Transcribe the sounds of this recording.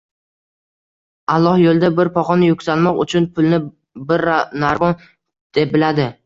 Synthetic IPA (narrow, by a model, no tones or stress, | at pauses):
alˠːɒhjolˠd̪abɪɾpʰɒqɒnɪjʊkʲsalmɒqʊ̰t͡ʃʰʊnpʰʊlˠnɪ | bɪɾnaɾmɒn | d̪̥e̞p̚bɪlad̪ɪ